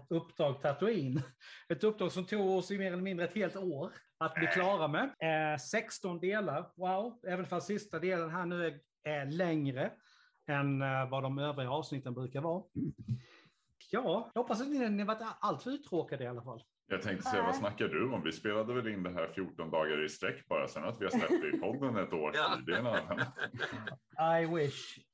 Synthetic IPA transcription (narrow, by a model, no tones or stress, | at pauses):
ɵpːd̪ɾɑːɡt̪ʰat̪ɵiːnɛt̪ɵp̚d̪ɾɑːɡsɔmt̪ʰuːɡɔsɪjmeːɾɛlːəmɪnd̪ɾəɛt̪heːlt̪oːɾ | at̪̚bb̪ɪkʰlɑːɾamɛsɛkst̪ɔnd̪eːlaɾwaʊɛːvənfalsɪst̪ad̪eːlənɦæːɳʉ̟ːɛɡ | ɛlɛŋɾə | ɛnvad̪ɔmøːvɾɪɡaɑːvsnɪt̪ːənbɾʉ̟ːkaɾvɑː | jɑːjɑhɔpːas̬at̪nɪnɪhavaʈːalt̪fœɾʉ̟ːt̪ʰɾoːkad̪əɪalːafalː | jɑːɡt̪ʰɛŋkt̪əsɛjːavasnakːaɖɵɔmvɪspeːlad̪əvɛlɪnːd̪ɛɦæːɾfjuːʈɔnd̪ɑːɡaɾɪst̪ɾɛkːb̥ɑːɾa̰sɛnːat̪vɪhaɛp̪̚ɛɪpʰɔdd̪ːənɛt̪oːɾʈʰiːd̪ɪanan | ajwɪʂ